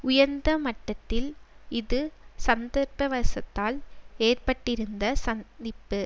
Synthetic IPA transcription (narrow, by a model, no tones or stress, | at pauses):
ʊjɐɾnd̪ɐmɐʈːɐt̪ːɪlɪðɯsɐnd̪ɐɾpɐʋɐɾsɐt̪ːaːleːrpɐʈːɪɾɯnd̪ɐsɐnd̪ɪpːɯ